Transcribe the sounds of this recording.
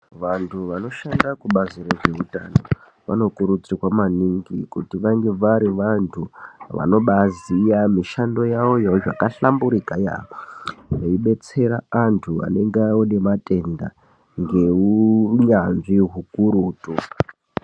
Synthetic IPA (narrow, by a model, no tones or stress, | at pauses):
ʋantʰuʋano̞ʃandakuɓaziɾoʐe̞utano̞ | ʋa̰no̞kuɾut͡siwamaniŋɡikutiʋaŋɡe̞ʋaɾiʋantʰuʋa̰no̞ɓazijamiʃando̞jawo̞jaʐakaɬambuɾikaja̰ | neiɓe̞t͡se̞ɾaantʰua̰ne̞ŋɡone̞matʼe̞nda | ŋɡe̞uɲanʐiɦukuɾuːtu